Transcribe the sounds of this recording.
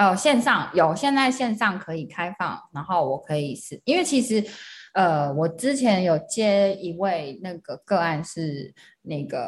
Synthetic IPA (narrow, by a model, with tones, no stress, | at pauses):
o˨˩ɕjɛ˥˧nʂɑ˥˩ŋjo˨˩ʊɕjɛ˥˧nd͡za˥˧ɪɕjɛ˥˧nʂɑ˥˩ŋkʰɤ˧˦˥i˨˩kʰa˥ɪfɑ̰˥˨ŋna˧˥ŋxo˥˩ʊwɔ˨˩kʰɤ˧˦i˨˩ʂ̩˨˩i˥nwe˥˩ɪt͡ɕʰi˧˥ʂɻ̩˧˥ə˧wɔ˨˩ʈ͡ʂɻ̩˦t͡ɕʰjɛ˧˥njo˨˩ʊt͡ɕjɛ˥i˧˥we˥˩ɪna˥˩ɡə˩kɤ˥˧a˥˧nʂɻ̩˥˧ | na˥˩ɡə˩